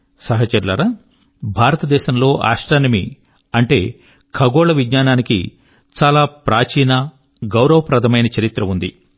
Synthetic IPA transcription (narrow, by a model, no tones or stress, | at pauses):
sɐɦɐt͡ʃɐɾlɐɾɐ | bʱaːɾɐt̪ɐd̪ɛːʃɐmlo̞ːʔa̰ːʂʈaːnɐmi | ɐɳʈe̞ː | kʰɐɡɔːɭɐʋidɲaːnaːnikḭ | t͡ʃaːlaːpɾʔaːt͡ʃiːnɐ | ɡɐwɾɐʋɐpɾɐd̪ʰʱɐmɐjnɐt͡ʃɐɾit̪ɾɐʋund̪i